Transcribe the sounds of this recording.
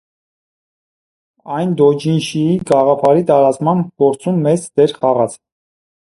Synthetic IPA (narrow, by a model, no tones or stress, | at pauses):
ɑjnd̪ɔd͡ʒinʃiiɡɑʁɑpʰɑɾit̪ɑɾɑt͡smɑmkɔɾt͡sʰumːɛt͡sd̪̥ɛɾχɑʁɑt͡sʰ